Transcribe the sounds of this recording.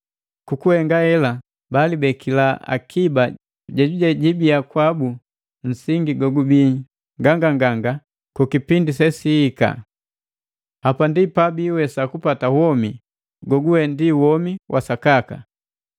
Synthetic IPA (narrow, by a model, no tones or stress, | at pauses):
kukuhɛŋɡahɛla | balibɛkʰilaa̰kʰiba | ɟaɟuɟaɟibiakwabu | n̩siŋɡiɡɔɡubi | ŋɡaŋɡaŋɡaŋɡa | kukipindisɛsihːka̰ | hapandipabiwɛsakupatawɔmi | ɡɔɡuwɛndiwɔmiwʔasakaka̰